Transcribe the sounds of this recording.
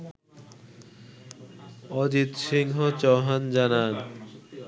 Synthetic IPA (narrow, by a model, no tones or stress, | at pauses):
ɔd͡ʑit̪ʃiŋɦot͡ɕɔɦand͡ʑanan